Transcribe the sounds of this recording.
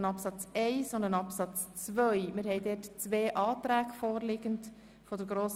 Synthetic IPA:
nɑpsɑt͡sɛɪsond̪ənɑpsɑt͡st͡svœʏmɪɾhɛɪdɛtt͡sʋeːʔɑːtɾæːɡfoːɾlɪɡənt | fɔdəɾɡɾoːs

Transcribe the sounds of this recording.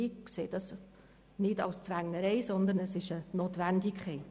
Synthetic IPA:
ikseːd̥ɑs | nɪdɑ̰ʊst͡svæŋnəɾɛɪsɔnd̪ənəsɪʃənoːtʋændɪkχɛɪt

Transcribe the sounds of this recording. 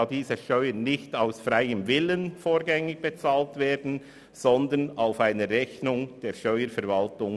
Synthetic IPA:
diːzəʃtœʏənnɪçtaʊsfrɾaɪəmvɪlənfoːɾɡɛŋɪɡ̥̚b̥et͡sɑːltveːdn̩ | z̥ɔndənaʊfaɪnəɾɛçnʊŋd̥eːʃtœʏəɾfɛɾvɑltʊŋ

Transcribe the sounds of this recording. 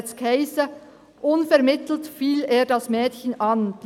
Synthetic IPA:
skʰaɪsə | ʔʊnfɛʁmɪtl̩tfiːleːdɑsmɛːtçənʔɑnd̥

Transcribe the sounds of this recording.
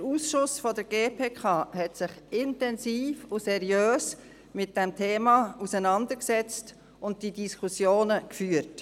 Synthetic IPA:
d̥əɾuːsʃʊsfɔdəɾɡ̥eːpʰeːkʰɑːɦɛtsɪχɪntɛnsiːfʊsɛɾjøːs | mɪt̚d̥ɛmtʰeːmɑusənɑndəɾksɛt͡st | ʊnt̚d̥idiskʰusjoːnəkfyːəɾt

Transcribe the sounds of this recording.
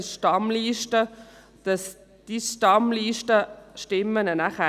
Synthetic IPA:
ʃtɑmliːʃtə | d̥ɑs | d̥iʃtɑmliːʃtəʃtɪmːənənæχæ

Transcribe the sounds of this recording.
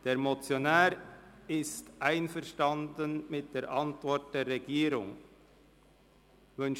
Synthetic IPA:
d̥eːɾmot͡sjonaːɾɪstʔaɪnfɛɾʃtɑndənmɪt̚d̥eːɾʔɑntvɔɾt̚d̥eːɾʁeɡiːɾʊ̰ŋ | vʏn

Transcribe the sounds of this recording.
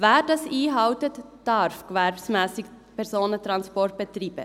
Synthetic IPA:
væːɾdɑsiːɦɑʊtətd̥ɑɾfɡ̥vɛɾpsmɛːsɪk | pʰɛɾsoːnətrɑnspɔrt̚b̥ətriːbə̰

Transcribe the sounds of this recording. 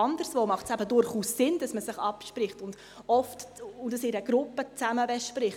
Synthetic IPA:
ɑndəɾsʋoːmɑχtsæbədʊɾχuːssɪnd̥ɑsməsɪχɑpʃprɪχtʊnd̥ | ɔftʊdɑsɪɾɛɡ̥ɾʊpət͡sæməbɛʃprɪχ

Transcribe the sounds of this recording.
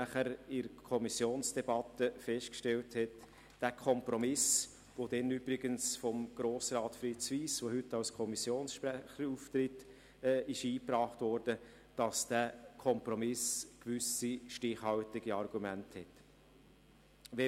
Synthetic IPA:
æχəɾɪɾkʰɔmisjoːnsd̥ɛbɑt̪ːəfɛʃtkʃtɛlthɛt | d̥æːkʰɔmpɾɔmɪs | ʋod̥ɛnybɾɪɡənsfɔmɡ̥ɾoːsrɑːtfɾɪtsʋiːsʋoɦʏtːɑwskʰɔmisjoːnsʃpɾæχəɾuft̪ɾɪtː | ɪʃiːpɾɑːχtʋɔɾd̥ə | d̥ɑsd̥ækʰɔmpɾɔmɪskʋʏsiʃtɪχhɑltɪɡiɑrɡumænthɛt | ʋɛ

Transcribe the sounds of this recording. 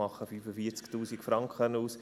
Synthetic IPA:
ɑχːəfyːfəfiəɾt͡sktuːsikfɾɑŋkχənuːs

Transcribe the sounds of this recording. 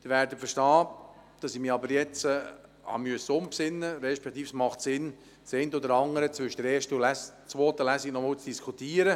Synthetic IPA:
d̥ɪvæːɾdəfəʃtɑːd̥ɑsɪmiːɑbəɾjɛt͡səhɑ̰myəsəʊmpsɪnːəɾɛʃpɛk̚t̪iːfsmɑχtsɪn | seɪntəodəɾɑŋəɾət͡svʏʃəd̥əɾɛːʃtəlæst͡sʋoːtəlæsinɔmɔːwt͡sd̥iskʰutiːəɾə

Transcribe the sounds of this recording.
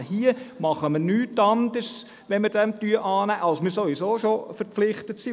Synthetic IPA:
hiəmɑχəməɾnyːtːɑnd̪əɾs | ʋɛnməɾd̥ɛmt̪yəʔɑːnæːʔɑlsmɪɾsoʋisoːʃofəɾflɪχtətsi

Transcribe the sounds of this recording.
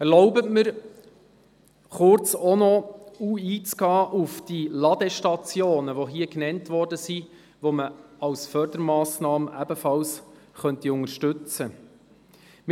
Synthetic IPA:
ɛɾlɔʊbətməɾ | χʊɾt͡sɔnɔuiːt͡sɡ̥ɑːʔufd̥ilɑd̥̪ɛʃtɑt͡sjoːnəʋoɦiəknɛntvɔrdəsi | ʋoməɑwsfœɾd̪əɾmɑːsnɑːməʔæbəfɑls | χœntiʊŋəɾʃtʉt͡sə | m

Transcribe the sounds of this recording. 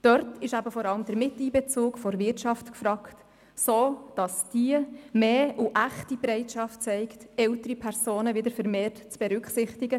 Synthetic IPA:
d̥œɾtɪʃæbəfɔɾɑləmd̪əɾmɪtiːbɛt͡suːkfɔɾʋɪtʃɑftkfɾɑkt | soːd̥ɑsd̥iəmeːuʔæχtibɾɛɪtʃɑft̚t͡sɛɪktɛltəɾipʰɛɾsoːnəvɪd̪əɾfəɾmeːrtt͡sb̥ɛɾʏkχsɪχtɪɡə

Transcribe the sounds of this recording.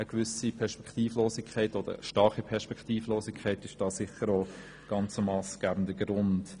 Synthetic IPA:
əkʋʏsipʰɛʁʃpɛ̥kt̪iːfloːsɪkʰɛɪtod̥̪ə̰ʃtɑɾχipʰɛʁʃpɛktiːfloːsɪkʰχɛɪtɪʃd̥ɑːsɪχəɾoː | ɡ̥ɑnt͡səmɑːsɡ̥æːbən̩dəɡɾʊnd̥

